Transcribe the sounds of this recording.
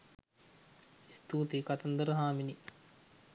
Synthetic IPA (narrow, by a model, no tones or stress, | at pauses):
ist̪uːt̪ikɐt̪ɐnd̪əɾəɦaːmini